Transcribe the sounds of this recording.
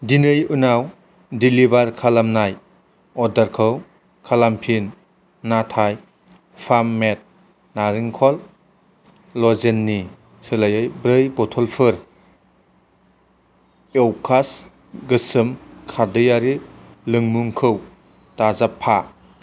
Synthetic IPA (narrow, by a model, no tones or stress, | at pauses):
dinɯjunaw | dilibaɾkʰalamnaj | ɔdaɾkʰɯw | kʰalampʰinː | atʰaj | pʰamːet̚ | naɾiŋkʰɔl | ɔzenːi | sɯlajɯjbɾɯjbɔtʰɔlpʰɯɾ | ewkʰas | ɡɯsɯmkʰadɯjaɾi | lɯŋmuŋkʰɯw | tazapʰːa